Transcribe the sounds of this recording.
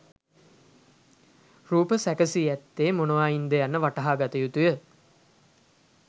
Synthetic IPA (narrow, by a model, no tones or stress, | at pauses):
ruːpəsækəsiɛt̪ːeːmonuʋaːjind̪ejanːəʋaʈɐɦaːɡat̪ɐjut̪ujə